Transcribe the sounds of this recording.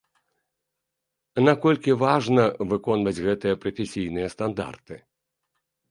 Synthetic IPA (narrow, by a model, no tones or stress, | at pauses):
nakɔlʲkʲivaʐnɐvɨkɔnvɐd͡zʲɣɛt̪ɨjɐpɾɐfʲesʲijnɨjɐst̪and̪a̰rt̪ɨ